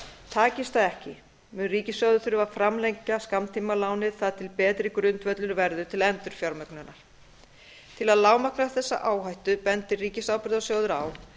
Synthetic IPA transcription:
t̪ʰaːcɪst̪θaðɛhcɪ | mʏnriːcɪsjɔwðʏθʏɾʏvafɾamlejɲcːaskamt̪ʰiːmalaːwnɪðθaðt̪ʰɪlpɛːt̪ɾɪkɾʏnt̪vœt̪lʏɾvɛɾðʏt̪ʰɪlɛnt̪ʏɾ̥fjawɾmœknʏnːaɾ̥ | t̪ʰɪlaðlaːwmaknaθɛsːa̰ʔaːwɦajht̪ʏpɛnt̪ɪriːcɪsaːwpɾðasjoːwðʏɾa̰ːw

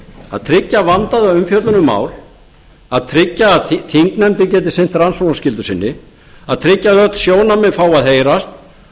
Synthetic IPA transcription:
a̰ðt̪ʰɾɪcːavant̪aðaʏmfjœt̪lʏnʏmːa̰ːwl | aðt̪ʰɾɪcːaːðθiŋknɛnt̪ɪcɛːt̪ɪ̥sejn̥t̪ɾansonascɪlt̪ʏsɪnːɪ | aðt̪ʰɾɪcːaðœt̪lsjoːwnamɛðfaːwaðheːjɾast̪̚

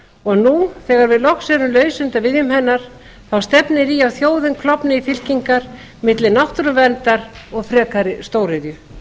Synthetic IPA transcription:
ɔɣnuθɛːɣaɾvɪðlɔxsɛɾʏmlœːɥsʏnt̪avɪðjʏmhɛnːaɾ̥ | θawst̪ɛpnɪɾiawθjoːwðɪnkʰlɔpnɪifɪl̥ciŋkaɾ̥ | mɪt̪lɪnawht̪ɾʏmvɛnt̪aɾɔɣfɾɛːkaɾɪst̪oːwɾɪðjʏ

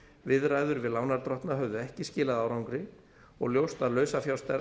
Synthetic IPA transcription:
vɪðraːjðʏɾvɪðlaːwnaɾt̪ɾɔht̪naɦœvðʏɛhcɪscɪːlaðawɾawŋkɾɪ | ɔ̰ɣljowst̪aðlœɥsafjawst̪ɛ

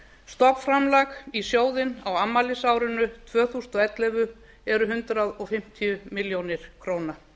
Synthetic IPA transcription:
st̪ɔpfɾamlakisjoːwðɪnawamːalɪsawɾʏnʏt̪ʰvœːθust̪ɔɛt̪lɛvʏ | ɛɾʏɦʏnt̪ɾaðɔɣfɪm̥t̪ʰijʏmɪljownɪɾ̥kʰɾoːwna

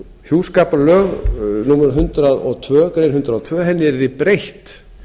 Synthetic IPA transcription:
hjuːskaːpalœːɣnuːmɛɾʏnɦʏnt̪ɾaðɔɣt̪ʰvœːkɾejnɦʏnt̪ɾaðɔt̪ʰvœːɦɛnːɪɛɾðɪpɾejht̪

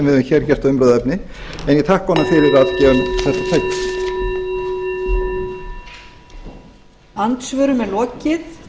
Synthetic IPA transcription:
mvɪðʏçɛɾ̥cɛr̥t̪aʏmpɾœːðaɛpnɪ | ɛnjɛt̪ʰahkhɔnːafɪɾɪɾat̪œmθɛht̪ːat̪ʰœɥkn | ant̪svœːɾʏmɛlɔːcɪθ

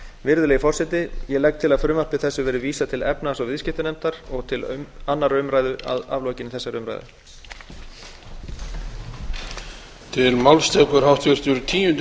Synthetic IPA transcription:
vɪɾðʏleːjɪfɔr̥sɛt̪ɪjɛlɛk̚t̪ʰɪlaðfɾʏːmal̥pɪ̥θɛsːʏvɛːɾɪviːsat̪ʰɪlɛpnaɛsɔvɪðscɪht̪ɪnɛnt̪aɾɔɣt̪ʰɪlanːaɾœʏɥmɾaːjðʏa̰ða̰vlɔːcɪnɪθɛsːaɾœɥmɾa̰jðʏ̰ | t̪ʰɪlmawlst̪ɛkʏɾ̥hawt̪ʰʏɾ̥t̪ʏɾt̪ʰiːjʏnt̪

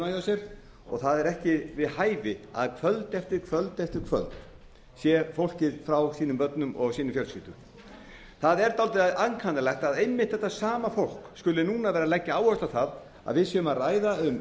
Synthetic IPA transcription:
ajasjɛɾ | ɔ̰ɣθaðɛɾɛhcɪvɪðhaːjvɪa̰ðkʰvœlt̪ɛft̪ɪɾkʰvœlt̪ɛft̪ɪɾ̥kʰvœ̰lt̪ | sjɛfowl̥cɪðfɾawsiːnʏmpœt̪nʏmʔɔɣsiːnʏmfjœlsʏːt̪ʏ | θaðɛɾt̪aːlt̪ɪðaðankʰanalɛxt̪aðejmːɪht̪θɛht̪ːasaːmafowl̥kskʏlːɪnuːnavɛːɾalɛcːaaːwhœst̪laθað | a̰ðvɪðsjɛʏmaraːjðaʏm

